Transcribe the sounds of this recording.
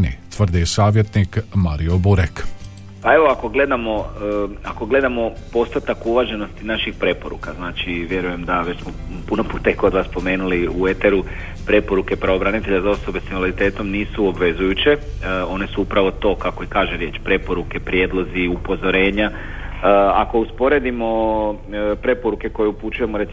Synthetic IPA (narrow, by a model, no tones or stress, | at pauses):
nit̪ʋr̩d̪isaːʋjet̪nikmaɾio̞buɾek | pae̞ʋo̞ako̞ɡle̞d̪amo̞ako̞ɡle̞d̪amo̞po̞st̪at̪akuʋaʒe̞nost̪inaʃixpɾe̞po̞ɾṵkaznaːt͡ʃiʋje̞ɾuje̞md̪aʋet͡ɕsmopunopuːt̪ekod̪ʋaːspo̞me̞ːnuliue̞t̪eɾu | pɾe̞po̞ɾuke̞pɾaʋo̞bɾanit̪e̞ʎazao̞so̞besinalaɾit̪e̞ːt̪omniːsuobʋe̞zujut͡ɕe̞ | o̞ne̞suupɾaʋo̞t̪o̞ːkako̞ikaːʒeɾje̞ːt͡ʃpɾe̞po̞ɾuke̞pɾje̞d̪lˠo̞ziupo̞zo̞ɾe̞ːɲa | ako̞uspo̞ɾe̞d̪imo̞ | pɾe̞po̞ɾuke̞kojeuput͡ʃuje̞moɾe̞t̪